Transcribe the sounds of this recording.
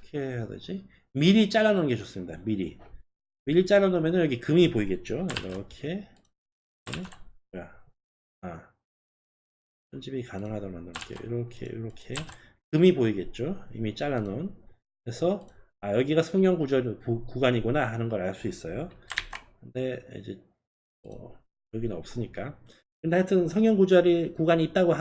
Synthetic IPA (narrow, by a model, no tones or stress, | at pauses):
kʰejadɯ̰d͡ʑi | miɾit͡ɕ͈aɭːanonɡe̞t͡ɕʌs͈ɯmɲidamiɾi | miɾit͡ɕ͈aɭːanomenɯnjʌɡikɯmipoiɡe̞t̚t͡ɕ͈oḭɾʌkʰe̞ | ea | a | t͡ɕʌnd͡ʑibikanɯŋɦadʌɾomandɯɾʌk͈ej̰o̰ḭɾʌkʰḛḭɾʌkʰe̞ | kɯmiboiɡe̞t̚t͡ɕ͈oḭmit͡ɕ͈aɭːanon | kɾe̞sʰʌ | ajʌɡiɡasʰʌŋɲjʌŋɡud͡ʑʌɾukuɡaɲiɡonaɦanɯnɡʌɾaɭs͈uis͈ʌjo | kɯnde̞ḭd͡ʑe̞ | ʌ̰ | jʌɡinɯnʌp̚s͈ɯɲik͈a | kɾɯndeaɭtʰɯnsʰʌŋɲjʌŋɡud͡ʑʌɾikuɡaɲiːt̚t͈aɡoɦa